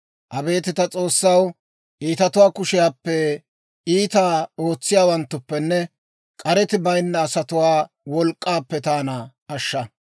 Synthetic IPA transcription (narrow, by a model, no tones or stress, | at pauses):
ʔɐbe̞ːt̪ɪt̪ɐt͡sʼo̞ːsːɐw | ʔiːt̪ɐt̪ʊwaːkʊʃɪjaːpːɛ | iːt̪aːo̞ːt͡sːɪjaːwɐnt̪ːʊpːɛnːɛ | kʼɐɾɛt̪ɪbɐjnːɐːsɐt̪ʊwaː | wɔlkʼːaːpːɛt̪aːnɐː | ʃːɐ